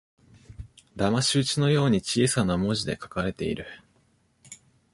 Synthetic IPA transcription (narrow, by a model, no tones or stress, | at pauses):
d̪amaɕɨːt͡ɕino̞jo̞ːɲ̟it͡ɕiːsanamo̞ʑid̪e̞kḁkaɾe̞t̪e̞̰ḭɾɯ̟